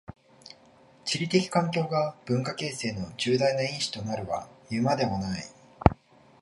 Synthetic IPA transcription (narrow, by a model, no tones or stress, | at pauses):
t͡ɕiɾʲit̪e̞kʲi̥kãŋkʲo̞ːɡab̥ɯ̟̃ŋkake̞ːse̞ːno̞d͡ʑɨːd̪ainaĩɰ̃ɕi̥t̪o̞naɾɯ̟βa̰jɯ̟mad̪e̞monai